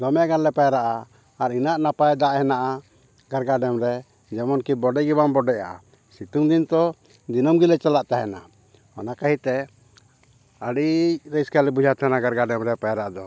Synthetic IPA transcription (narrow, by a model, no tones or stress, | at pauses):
d̪ɔmɛɡanlɛpajaɾaʔaː | ɾinaʔnapajd̪aʔhɛnaʔa | ɡaɾɡaɖɛmɾɛ | d͡ʒɛmɔnkibɔɖɛɡibambɔɖɛja̰ | sit̪uŋd̪int̪ɔ | d̪inɔmɡilɛt͡ʃalaʔt̪aɦɛna | ɔ̰nakaɦit̪ɛ | əɽic̚ɾɛskalɛbud͡ʒʱat̪ʰanaɡaɾɡaɖɛmɾɛpajaɾaʔad̪ɔ